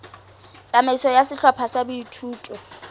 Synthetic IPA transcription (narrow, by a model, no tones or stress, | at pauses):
t͡sʼamesɔjasɪɬɔpʰasabuitʰuːtʼɔ